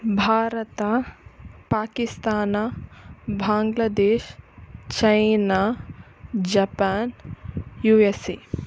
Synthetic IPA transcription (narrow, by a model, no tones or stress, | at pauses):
bʱaːɾɐt̪a | paːkist̪aːna | bʱaːŋɡlad̪eːʃt͡ʃɐjna | d͡ʒɐpaːnjuːesḭ